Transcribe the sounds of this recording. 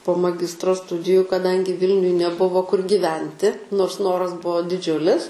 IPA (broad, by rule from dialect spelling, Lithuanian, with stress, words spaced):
poː mɐˈɡʲɪstroː ˈstʊdʲɪjʊ kɐˈdɐŋʲɡʲɪ ˈʋʲɪlʲnʲʊj nʲɛˈbʊʋoː kʊr ɡʲɪˈʋʲɛnʲtʲɪ noːrs ˈnoːrɐs ˈbʊʋoː dʲɪˈd͡ʒʲʊlʲɪs